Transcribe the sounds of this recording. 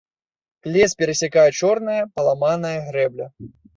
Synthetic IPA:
klʲɛspʲɛɾɐsʲakajɛt͡ʂɔrnɐjɐpɐlˠamanɐjɐɣɾɛblʲɐ

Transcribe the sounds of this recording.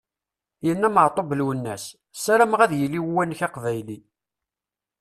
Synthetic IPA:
jənːæməʕt̪ˤobəlwənːæs | sæɾæmʁæðjəlːiwwænːçɑqvæjli

